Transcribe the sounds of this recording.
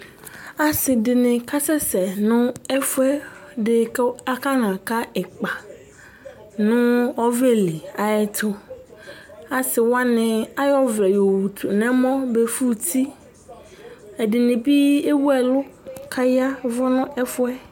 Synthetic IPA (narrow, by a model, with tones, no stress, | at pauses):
a˨sɪ˨dɪ˨nɪ̃˨ka˦sɛ˦sɛ˨nʊ̃˦ɛ˦fʊ˦ɛ˦dɪ˨ka˦ka˦nã˨ka˦ɛ˨k͡pa˨ | nʊ̃˦ɔ˦ve˦li˨a˨ɛ˦t̪ʰʊ˦ | a˨sɪ˨wa˦nɪ̃˨a˦jɔ˦vɾɛ˨jo˨wu˨t̪ʰʊ˨nɛ̃˦mɔ̃˦be˨fu˦t̪ʰi˦ | ɛ˨dɪ˨nɪ̃˨bi˦e˦wu˦ɛ˨lʊ˦kʰa˦ja˦vʊ˦nʊ̃˦ʔɛ˦fʊ˦ɛ˦